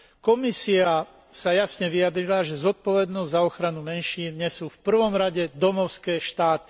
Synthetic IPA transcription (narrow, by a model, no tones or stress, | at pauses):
kɔmisia | sajasɲɛʋiad̪ɾilaʒɛzɔt̪̚pɔʋɛd̪nɔzɟzaɔxɾanumɛnʃiːnɲɛsuːfpr̩ʋɔmɾaɟɛd̪ɔmɔʊskɛːʃt̪aːt̪i̥